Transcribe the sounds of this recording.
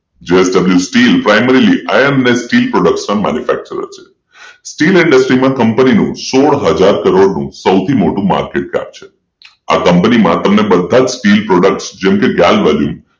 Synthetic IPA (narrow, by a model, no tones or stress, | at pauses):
d͡ʒeesɖəbljusʈilpɾajmeɾiliʔajənnesʈilpɾoɽək̚ʈspə̃nmæ̰njufæ̰k̚t͡ʃəɾə̰ɾt͡ʃʰe̥ | sʈilɪɳɖəsʈɾimãkəmpəninṵ̃soɽɦəd͡ʒaɾkəɾoɽnṵ̃səwt̪ʰimoʈũma̰ɾkeʈ̚ka̰p̚t͡ʃʰe̥ | a̰kəmpənimã̰t̪əmnebəd̪ʱːad͡ʒsʈilpɾoɖək̚ʈsd͡ʒɛmkeɡalʋaljṵm